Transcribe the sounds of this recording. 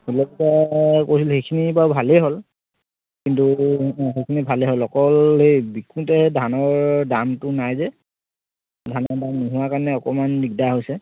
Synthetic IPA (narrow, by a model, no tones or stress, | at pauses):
ulɔktakojs̬ilhejkʰinibabʱaleɦol | kintuɦejkʰinibʱalɛɦolɔkɔlɦejbikũtɛdʱanɔɹdamtʊnajzɛ | dʱanɔɹdamniɦuwakaɹnɛɔkɔmanːikdaɦojsɛ